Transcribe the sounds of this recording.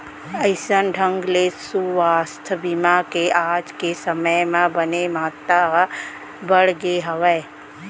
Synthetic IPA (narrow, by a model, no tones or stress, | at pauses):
əɪsənɖʱə̃ŋɡlesuʋaːst̪ʰbimakeʔaːd͡ʒkesəməjmãbənemaət̪ːaa | bəɽɡeɦəʋəj